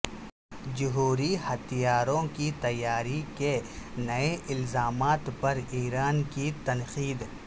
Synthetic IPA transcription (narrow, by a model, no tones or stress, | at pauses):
d͡ʒʊɦuːɾihɐt̪ijaːɾõkit̪ɐjːaːɾikenɐeʔɪlzaːmaːt̪pɐɾiːɾaːnkit̪ɐnxiːd̪